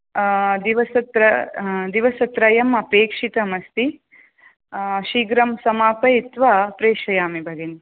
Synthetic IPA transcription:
d̪iʋɐsɐt̪ɾɐd̪iʋɐsɐt̪ɾɐjɐmɐpeːkʂit̪ɐmɐst̪i | ɐʃiːɡɾɐmsɐmaːpɐjit̪ʋapɾeːʃɐjaːmibʱɐɡen

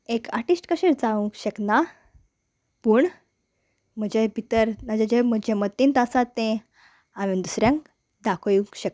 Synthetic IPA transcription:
ekaʈisʈkəɕed͡zaʋũŋkɕəkna | pəːɳ | m̤əd͡ʑebʱit̪əɾnad͡ʑed͡ʑem̤əd͡ʑemət̪ːint̪əsat̪ːẽ | aʋẽnd̪usɾjãŋk | d̪akʰəjũŋkɕək

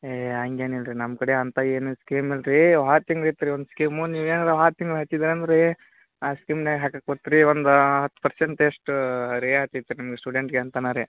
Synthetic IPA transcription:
eɐŋɡeːnelɾinɐmkɐɽeɐnt̪aeːnuskiːmelɾiʋɦaːt̪iŋɡɾet̪iɾiond̪skiːmuniːʋeːnɐɾeʋɦaːt̪ːiŋɡlɦat̪id̪ɾeɐnd̪ɐɾe | aːskimneɦaːkak̚kɐɽt̪ːiɾiond̪ɦɐt̪ːu̥pɐɾseɳʈeʂʈuɾeɦaːt̪it̪ːenɐmɐɡesʈuːɖeɳʈɡeɐnt̪anaɾe

